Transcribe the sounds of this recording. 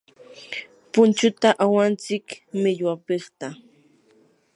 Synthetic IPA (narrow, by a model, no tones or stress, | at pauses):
pʊnt͡ʃʊt̪aʔawant͡sɪkmɪʎwapeχt̪a